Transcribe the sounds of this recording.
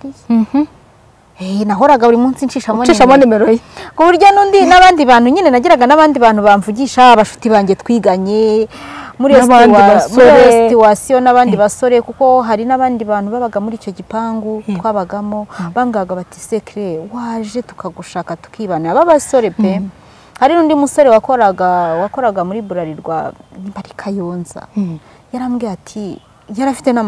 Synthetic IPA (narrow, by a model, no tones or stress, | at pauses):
enaɦo̞ɾaɡaβuɾimuːnsinʃiːʃaoniʃamonemeɾojekuβuɾɟo̞nuːndinaβaːndiβaːnhuɲine̞naɟiɾaɡanaβaːndiβaːn̥uβaɱvuɟiʃaːβaʃu̥tiβaːɲɟe̞tkwiːɡaɲe̞ | muɾewmuestiwasionaβaːndiβaso̞ɾekuko̞ɦaɾinaβaːndiβaːn̥huβaβaɡamuɾiːt͡ʃo̞ɟipaːŋɡutwaːβaɡamoβamɡaɡaβatise̞kɾewaːʒe̞tu̥kaɡuʃaːkatu̥kiːβanaβaβaso̞ɾe̞pe | haɾinuːndimusoɾewakoɾaɡwako̞ɾaɡamuɾiːβuɾaɾiɾɡwa̰nimbaɾikʰajoːnza̰ | jaɾamɡiːatʰi | jaɾafi̥tena